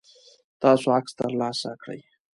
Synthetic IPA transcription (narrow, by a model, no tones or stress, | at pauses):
t̪ɑsoakst̪əɾlɑsakɽə̰j